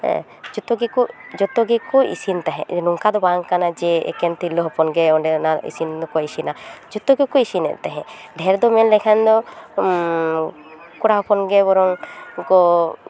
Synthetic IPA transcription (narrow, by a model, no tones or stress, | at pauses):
ɛ̰̃ | d͡ʒɔt̪ɔɡikud͡ʒɔt̪ɔɡikɔḭsint̪aɦɛ̰̃nuŋkad̪ɔbaŋkanad͡ʒɛɛ̰kɛnt̪ilɔɦɔpɔnɡɛɔɖɛnaɾḭsind̪ɔkɔisinad͡ʒɔt̪ɔɡikɔisinɛ̰ʔt̪aɦɛ̃ɖʱɛɾd̪ɔmɛnlɛkʰand̪ɔ | kuɽaɦɔpɔnɡɛbɔɾɔŋkɔ